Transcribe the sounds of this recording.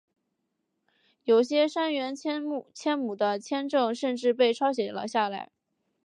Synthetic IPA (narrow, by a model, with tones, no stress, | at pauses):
jo˨˩ʊɕjɛ˥ʂa˥nɥɛ˧˥n˥t͡ɕʰjɛ˥nmu˨˩d̪ə˦t͡ɕʰjɛ˥nʈ͡ʂɤ˥˧ŋʂə˥˧nʈ͡ʂɻ̩˥˧pe˥˩ɪʈ͡ʂʰɑ˥ʊɕ̬jɛ˨˩lə̰˦ɕja˥˩la̰˧˥ɪ